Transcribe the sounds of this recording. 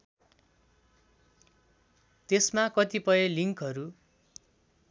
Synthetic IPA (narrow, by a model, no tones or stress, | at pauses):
t̪esmakʌt̪ipʌjeliŋkɦʌɾu